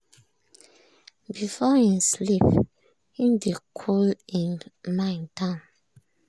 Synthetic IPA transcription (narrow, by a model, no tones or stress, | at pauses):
bifɔhĩnslip | hĩmdekʰɔlĩnmãɪ̃ntãn